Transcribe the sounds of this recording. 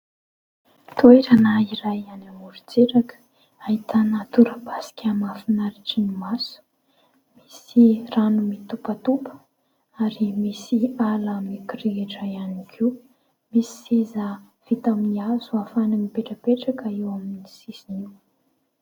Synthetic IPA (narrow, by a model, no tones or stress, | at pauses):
t̪ueɾanaiɾajanamuɾut͡seɾakə̥ | ait̪ʰanat̪uɾəpasi̥kʲʰamafinaɾiʈ͡ʂinimasu̥ | misiranumit̪upət̪upə̥ | aɾimisialəmikirieʈ͡ʂaianikʰiw | misi̥seza | v̥it̪aminiazuafanamipeʈ͡ʂəpeʈ͡ʂakəiwaminisisiniw